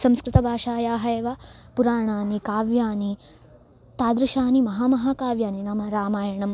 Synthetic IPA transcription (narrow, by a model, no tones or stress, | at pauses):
sɐmskɾɪt̪ɐbʱaːʃaːjaːɦɐjeʋapuɾaːɳaːnikaːʋjaːni | t̪aːd̪ɾɐʃaːnimɐɦaːmɐɦaːkaːʋjaːninɐmɐɾaːmaːjɐɳɐm